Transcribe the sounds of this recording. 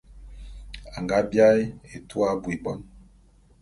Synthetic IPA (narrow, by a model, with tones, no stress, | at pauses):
a˨ŋɡa˦bja˦je˨tu˦a˦bwi˨bɔ˨n